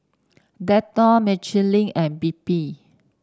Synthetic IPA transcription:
dɛtɔmɛt͡ʃəlĩŋɛ̃nbipi

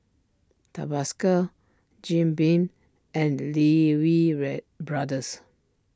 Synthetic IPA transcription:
ta̰baskə | d͡ʒĩmbĩn | ɛ̃nlewiɹɛ | bɹadəs

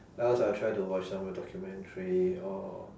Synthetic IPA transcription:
ɛlsajtʰɹaɪtuwɔt͡ʃsãmwədɔkʰjumɛ̃ntʰəɹiɔ

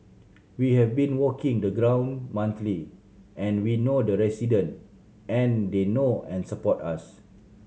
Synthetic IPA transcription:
wihɛvbĩnwɔkĩŋdəɡɹãw̃nmãnt̪li | ʔɛ̃nwinodəɹɛsidə̃nt | ɛ̃ndenoɛ̃nsəpɔtas

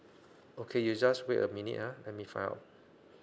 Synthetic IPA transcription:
okʰejud͡ʒasweʔə̰minḭthalɛt̚mifã̰ja̰t̚

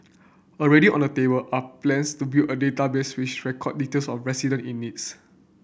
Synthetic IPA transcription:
əɹɛɾiʔɔ̰̃ndətebəlʔaplɛ̃nstubilʔədetabeswit͡ʃɹɛkʰɔd̚ːitelsɔfɹɛsidə̃nĩnːits

